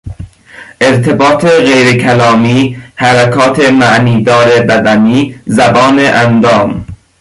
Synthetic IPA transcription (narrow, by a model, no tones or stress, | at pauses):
ʔeɾt̪ʰebɒːt̪ʰeɣejɾekʰælɒːmiːhæɾækʰɒːt̪ʰemæʔniːd̪ɒːɾebæd̪æniːzæbɒːneʔænd̪ɒːm